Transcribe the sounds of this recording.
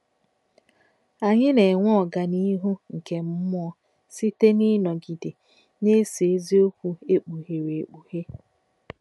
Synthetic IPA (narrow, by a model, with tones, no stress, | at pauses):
a˨ɲɪ˦ne˨ŋʷɔ˦˨ɡa˨ni˦ɦu˦ŋ̩˨ke˨m̩˦mʊ˦ɔ˦ | si˦te˦ni˦nɔ˨ɡi˨de˨ | ne˦se˨e˦zi˦o˦kʷu˦e˦k͡pu˨ɦe˨ɾe˨k͡pu˨he˦